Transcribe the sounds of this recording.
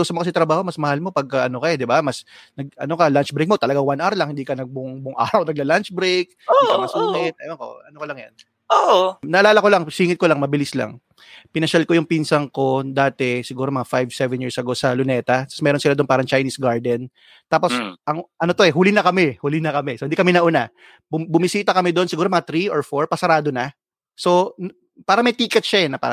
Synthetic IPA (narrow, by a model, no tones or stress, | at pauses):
usɐmokɐs̬ɪt̪ɾɐbaːho̞mɐsmɐhalmo̞pɐɡ̚kɐʔɐno̞kɐjɛd̪ɪbamɐsnɐɡ̚ɐ̰no̞kɐlant͡ʃbɾeɪjk̚mot̪ɐlɐɡaŋwanʔaɾlɐŋhɪnd̪iːkɐnɐɡ̚bʊŋbʊŋʔa̰ːɾɐwnɐɡ̚lɐlant͡ʃbɾejk̚omɐsʊnmɛt̪̚ɐjɐko̰ɐnokolɐŋjɐ̰n | oʔnɐʔɐlaːlɐko̞laŋsiːŋɪl̚kolaŋmɐbɪlisla̰ŋ | pɪnɐʃalkojʊŋpinsɐŋko̞d̪aːt̪ɛsɪɡuːɾomɐŋafajvsɛvɛnjiːɹsɐɡo̞sɐlʊnɛːt̪ɐt̪ɐ̥smɛːɾonsɪlad̪onpaːɾɐŋt͡ʃɐjnisɡaɹd̪ɛn | t̪aːposʔɐŋʔɐnot̪oɛɦuːlɪnɐkɐmɛhuːlɪnɐkɐmɛsohɪnd̪ikɐmɛnɐʔuna | bʊbʊmɪsiːt̪ɐkɐmɛd̪oonsɪɡuːɾomɐŋat̪ɾioɹfoɹpɐsɐɾaːd̪onɐ | so̞n | paːɾɐmɐjt̪iːkɛt̪̚ʃanɐpa̰ːɾ